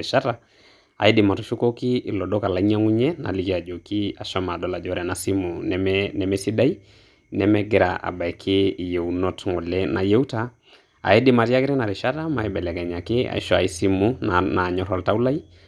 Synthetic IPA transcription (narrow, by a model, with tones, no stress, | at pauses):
ɪ˨ʃa˦ta˦ | a̰˨i˦dɪ˨ma˨tɔ˨ʃu˦ko˦kɪ˦ɪ˨lɔ˨dɔ˦ka˨la˨i˦ɲa˦ŋu˦ɲɛ˦na̰˨li˦ki˨a˨d͡ʒo˨ki˦a˨ʃɔ˦ma˨dɔ˦la˨d͡ʒɔ˦ɾɛ˨na˨si˦mu˨nmɛnɛ˨mɛ˦si˦da˦i˦ | nɛ˨mɛ˦ɡɪ˦ɾaʔa̰˨ba˨ɛ˨kʰɪ˦˨je˨u˨nɔ˦tŋɔ˨lɛ˦na˨je˦wta˦ | a̰˨ɛ˦dɪ˦ma˨ɾi˦a˦kɪ˦ɾɛ˦na˨ɾɪ˨ʃa˦ta˦ma˨ɛ˦bɛ˨lɛ˨kɛ˨ɲa˨kɪ˦a̰˨ḭ˦ʃɔa̰˨i˦si˦mu˦nna˨ɲɔ˦ɾɔ˨lta˦u˦la˦i˦